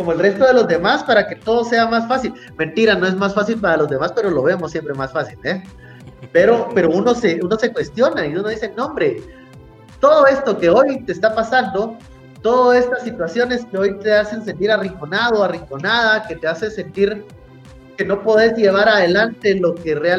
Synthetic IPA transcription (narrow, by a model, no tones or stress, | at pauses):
ko̞moe̞lre̞st̪o̞ðe̞lo̞zðe̞maspaɾake̞t̪o̞ðose̞amasfasil | mẽ̞nt̪iɾano̞e̞zmasfasilpaɾalo̞zðe̞maspe̞ɾo̞lo̞βe̞mosːje̞mpɾe̞masfasile | pe̞ɾo̞pe̞ɾo̞uno̞se̞uno̞se̞kwe̞st̪jo̞naiuno̞ð̞isenõ̞mbɾe̞ | t̪o̞ð̞o̞e̞st̪o̞ke̞o̞jt̪e̞ːst̪apasand̪o̞ | t̪o̞ðoe̞st̪asːit̪wasjo̞ne̞ske̞o̞jt̪e̞ase̞ns̬e̞nt̪iɾariŋkonað̞o̞ariŋko̞nað̞ake̞t̪e̞ase̞se̞nt̪iɾ | ke̞no̞po̞ðe̞zʝe̞β̞aɾaðe̞lant̪e̞lo̞ke̞rea